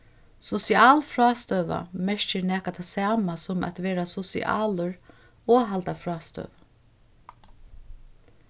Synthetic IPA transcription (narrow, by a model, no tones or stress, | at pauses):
sɔsiaːlfɾɑːst̪œʋa̰mɛʃt͡ʃɪɾnɛːkat̪ʰasaːmasʊmɛ̰t̪ʋɛːɾasɔsḭʔa̰ːlʊɾ | ɔːɦalt̪afɾɑːst̪œ̰ʋ